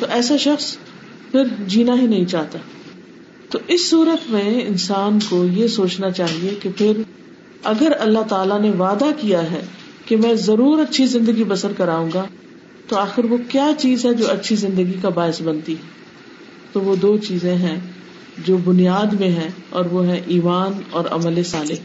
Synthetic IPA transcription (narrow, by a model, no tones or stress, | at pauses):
t̪oʔɛːsaʃɐxs | pʰɪɾd͡ʒiːnaɦinɐɦĩt͡ʃaːɦt̪aː | t̪oʔɪsːuːɾət̪mẽɪnsaːnkojesoːt͡ʃnat͡ʃaːɦiekepʰɪɾ | ɐɡəɾɐlːaɦt̪aːlaneʋaːd̪akijaɦɛː | kemɛ̃ːzɐɾuːɾɐtːʃʰizɪ̃nd̪əɡibɐsəɾkɐɾaːũːɡa | t̪oaːxɪɾʋokjaːt͡ʃiːzɦɛd͡ʒoːɐtːʃʰizɪ̃nd̪əɡikabaːɪsbɐ̃nt̪iɦɛ | t̪oʋod̪oːt͡ʃiːzẽɦɛ̃ | d͡ʒoːbʊnijaːd̪mẽɦɛ̃ɔːɾʋoɦɛ̃ʔiːmaːnɔːɾɐ̰məlesaːleɦ